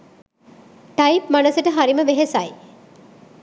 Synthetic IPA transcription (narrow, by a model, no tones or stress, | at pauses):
ʈajpmanəsəʈəɦaɾiməʋeɦesaj